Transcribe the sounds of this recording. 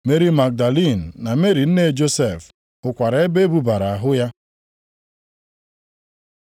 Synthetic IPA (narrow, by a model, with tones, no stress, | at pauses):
me˦ɾi˦ma˨k̚da˨li˦˨n̩ː˨a˨me˦ɾi˨n̩˦ne˦˨d͡ʒo˦se˦˨f | ʊ˨kʷa˨ɾa˨˦e˦be˦bu˦ba˨ɾa˨a˨ɦʊ˦ja˦